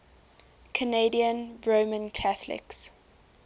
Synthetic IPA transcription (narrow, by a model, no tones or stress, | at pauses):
kʰəneɪdiə̃nɹoːmə̃nkʰaθlɪ̰ks